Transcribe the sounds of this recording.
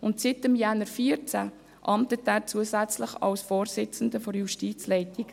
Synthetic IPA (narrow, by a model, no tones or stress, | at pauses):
ʊntsɪtəmjɛnəɾfiəɾt͡sæ | ʔɑmt̪ət̪æːɾt͡suəsæt͡slɪχɑ̰lsfoːɾsɪt͡sn̩d̪əfɔɾjuʃtiːt͡slɛɪtɪɡ